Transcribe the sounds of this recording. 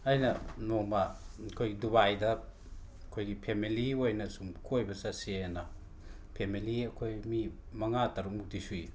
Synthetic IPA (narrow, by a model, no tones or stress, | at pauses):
ajnɐnomakʰojɡiduβajdɐ | kʰojɡipʰemiliojnɐsumkʰojbɐsasenɐ | pʰemiliɐkʰojmi | mɐŋataɾukmutisui